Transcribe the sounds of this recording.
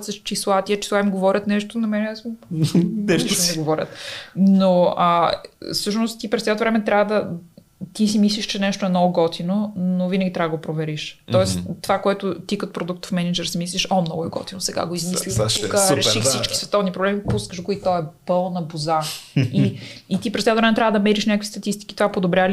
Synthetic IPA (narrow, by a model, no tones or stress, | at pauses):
t̪sɐʃt͡ʃislˠat̪iɐt͡ʃi̥sˠaimɡovɔɾʲət̪nɛʃt̪onɐmɛnɛsmunɛʃt̪t̪nɛɡovɔɾʲə̰t̪noəfsɤʃnost̪t̪ipɾɛsɛt̪ovɾɛmɛt̪ɾʲʔavəd̪ɐ | t̪is̬imislʲiʃt͡ʃɛnɛʃt̪oɛmnɔɡʊɡɔt̪ʰinonovinəɡʲit̪ɾavəd̪ɡopɾovɛɾiʃt̪ɔɛst̪ovakoɛt̪ʊt̪ikɐt̪o̥pɾod̪uk̚t̪fmɛnɛd͡ʒɛɾsimis̬lʲiʃɔmnɔɡʊɛɡɔ̰t̪inosɛɡa̰ɡoizmislikəɾɛʃifssit͡ʃki̥svɛt̪ɔvnipɾoblɛmipuskəʃɡoit̪ɔɛpɤlˠnɐbuzaiit̪ipɾɛsɛt̪vɾɛmɛt̪ɾʲavəd̪ɐmɛɾiʃnʲakəkvist̪ɐt̪ist̪i̥ki̥t̪ovapod̪obɾʲjavəl